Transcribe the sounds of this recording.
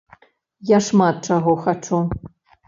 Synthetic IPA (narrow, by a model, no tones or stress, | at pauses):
jaʂmat̪̚t͡ʂaɣɔxat͡ʂu